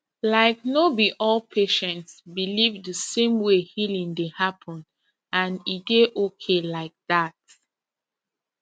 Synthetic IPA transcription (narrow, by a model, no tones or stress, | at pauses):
laɪk̚nobiʔɔlpʰeʃɛ̃ntsbilivðəsẽmwehilĩŋdehapʰə̃n | ãnideʔokʰelaɪk̚ðat̚